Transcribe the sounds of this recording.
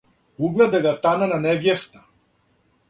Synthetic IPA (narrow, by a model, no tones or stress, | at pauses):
uɡlˠɛd̪ɛɡat̪anananɛvjɛst̪ḁ